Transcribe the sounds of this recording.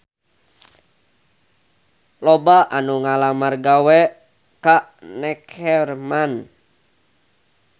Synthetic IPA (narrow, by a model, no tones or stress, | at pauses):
lɔbaʔanuŋalamarɡawɛ | kanɛkɛrman